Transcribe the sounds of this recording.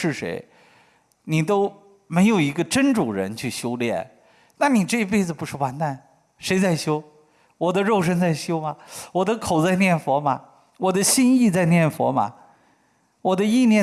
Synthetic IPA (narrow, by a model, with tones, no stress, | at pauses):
ʂɻ̩˥˩ʂḛ˧˥ɪ | ni˨˩t̪o˥ʊ | me˧˥ɪjo˨˩ʊi˧˥ɡə˧ʈ͡ʂə˥nʈ͡ʂu˨˩ɻə̰˧˥nt͡ɕʰy˥˩ɕjo˥ʊljɛ̰˥˩n | na˥˩ni˨˩ʈ͡ʂɤ˥˩i˥pe˥˩ɪd͡zɹ̩˩pu˧˥ʂɻ̩˥˩wa˧˥nt̪a˥˩n | ʂe˧˥ɪt͡sa˥˩ɪɕjo˥ʊ | wɔ˨˩d̪ə˦ɻo˥˩ʊʂ̬ə˥nt͡sa˥˩ɪɕjo˥ʊmɐ˨wɔ˨˩d̪ə˦kʰo˨˩ʊt͡sa˥˧ɪnjɛ˥˩nfwɔ˧˥mɐ̰˨˧ | wɔ˨˩d̪ə˦ɕi˥ni˥˧t͡sa˥˧ɪnjɛ˥˩nfwɔ̰˧˥mɐ̰˨ | wɔ˨˩d̪ə˦i˥˧njɛ˥˧